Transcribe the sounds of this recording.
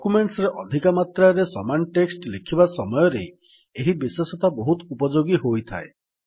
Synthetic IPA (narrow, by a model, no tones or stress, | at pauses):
ɔkumeɳʈsɾeʔɔd̪ʱikamat̪ɾaɾesɔmanɔʈeksʈlekʰibasɔmɔjɔɾe | eɦibisesɔt̪abɔɦut̪ɔupɔd͡ʒoɡiɦojt̪ʰa̰e